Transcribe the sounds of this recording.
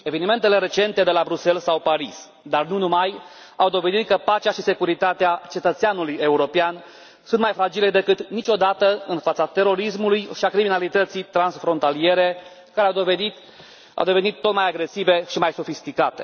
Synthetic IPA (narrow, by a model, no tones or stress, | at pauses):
e̞ve̞nime̞nt̪e̞le̞ɾe̞t͡ʃe̞nt̪e̞d̪e̞labɾuse̞lsawpaɾis | d̪arnunumaj | a̰wd̪o̞ve̞d̪it̪̚kəpat͡ʃeaʃise̞kuɾit̪at̪eat͡ʃe̞t̪ət̪seanuluje̞uɾo̞pean | sunt̪majfɾad͡ʒile̞d̪e̞kɨt̪nit͡ʃo̞d̪at̪əɨnfat̪sat̪e̞ɾo̞ɾis̬mulujʃiakɾiminalit̪ət̪sijt̪ɾansfɾo̞nt̪alije̞ɾe̞ | kaɾeawd̪o̞ve̞d̪it̪ | a̰wd̪e̞ve̞nit̪ːo̞t̪majaɡɾe̞sive̞ʃimajso̞fist̪ikat̪e̞